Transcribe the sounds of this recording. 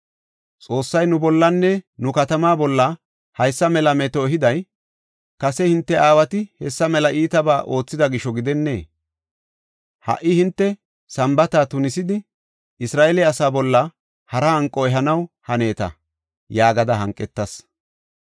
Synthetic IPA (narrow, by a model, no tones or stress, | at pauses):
t͡sʼo̞ːsːɐjnʊbɔlːɐnːɛnʊkɐt̪ɐmaːbɔlːɐ | hɐjsːɐmɛlɐmɛt̪oɦɪd̪ɐj | kɐsɛhɪnt̪ːɛʔaːwɐt̪ɪhɛsːɐmɛlɐʔiːt̪ɐbaːʔo̞ːt͡sːɪd̪ɐɡɪʃɔɡɪd̪ɛnːe̞ː | hɐ̰ʔːɪhɪnt̪ːɛ | sɐmbɐt̪aːt̪ʊnɪsɪd̪ɪ | ɪsɾaːʔelɛɐsaːbɔlːɐ | hɐɾɐhɐŋkʼːɔɛɦɐnɐwhɐne̞ːt̪ɐ̰ | jaːɡɐd̪ɐɦɐŋkʼːɛt̪ːɐs